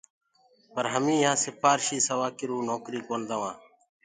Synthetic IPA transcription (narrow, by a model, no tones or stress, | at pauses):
pəɾɦəmĩːjãːsɪpʰaːɾʃiːsəʋaːkɪɾũːnoːkɾiːkoːnd̪aʋãː